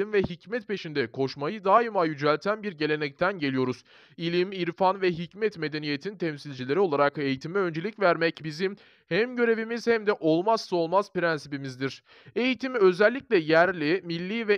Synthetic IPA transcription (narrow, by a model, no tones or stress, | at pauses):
imvɛɦicmɛt̪̚pe̞ʃind̪ɛkʰo̞ʃmajɯd̪aːimajyd͡ʒælʲt̪ʰænbiɾɟe̞lʲenɛc̚t̪ʰænɟe̞lʲijo̞ɾuz̥ | ilʲimiɾfanvɛɦicmɛt̪me̞d̪e̞nije̞t̪ʰint̪ʰɛmsilʲd͡ʒilʲe̞ɾio̞lˠaɾake̞jit̪ʰimɛø̞nd͡ʒe̞lʲicvæɾmɛcbizim | hæmɟø̞ɾe̞vimizhæmd̪ɛʔo̞lˠmasso̞lˠmazpɾænsipimizd̪iɾ̥ | e̞jit̪ʰimiø̞zælʲːiclʲɛjæɾlʲimilʲːiːvɛ